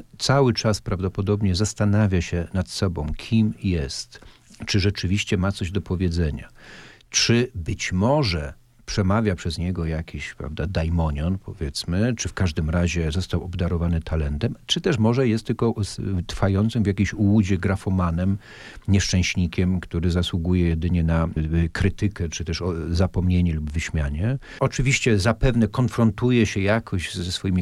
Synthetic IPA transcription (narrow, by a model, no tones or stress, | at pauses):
t̪sawɘt͡ʂaspɾavd̪ɔpɔd̪ɔbɲɛzast̪anavʲjaɕɛnat̪sɔbɔ̃w̃kʲʰimjɛst̪t͡ʂɘʐɛt͡ʂɘvʲiɕt͡ɕɛmat̪sɔʑd̪ɔpɔvʲjɛd̪zɛɲa̰ | t͡ʂɘbɘt͡ɕmɔʐɛ | pʂɛmavʲjapʂɛzɲɛɡɔjakʲʰiɕpɾa̰vd̪ad̪ajmɔɲɔnpʰɔvʲjɛt̪smɘt͡ʂɘfkaʐd̪ɘmɾaʑɛzɔst̪awɔbd̪aɾɔvanɘt̪ʰalɛnt̪ɛmt͡ʂɘt̪ɛʂmɔʐɛjɛst̪ːlkɔst̪ɾfajɔnt̪sɨmvʲjakʲimɕuwud͡ʑɛɡɾafɔmanɛm | ɲɛʂt͡ʂɛ̃w̃ɕɲikʲɛmkt̪uɾɘzaswuɡujɛjɛd̪ɘɲɛnakɾɘt̪ɘkɛt͡ʂɨt̪ɛʂɔzapɔmɲeɲɛlubvɘɕmʲjaɲɛ | ɔt͡ʂɘvʲiɕt͡ɕɛzapɛvnɛkɔnfɾɔnt̪ujɛɕɛjakʰɔʑzɛsfɔjimʲi